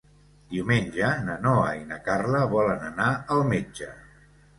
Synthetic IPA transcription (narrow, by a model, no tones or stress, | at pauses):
d̪iwmenʲʒənənɔəinəkarləβɔlənənaəlˠmed͡ʒə